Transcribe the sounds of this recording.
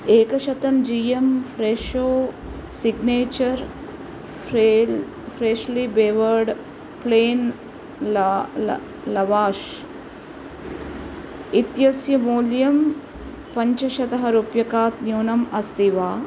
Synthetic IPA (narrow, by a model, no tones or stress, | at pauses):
eːkɐʃɐt̪ɐmd͡ʒijɐmfɾeːʃoː | siɡneːt͡ʃɐɾ | fɾeːʃlibeːʋɐɾɖ | pleːn | lɐʋaːʃ | it̪jɐsjɐmoːljɐm | pɐɲt͡ʃɐʃɐt̪ɐɦɐɾupjɐkaːt̪njoːnɐmɐst̪iʋaː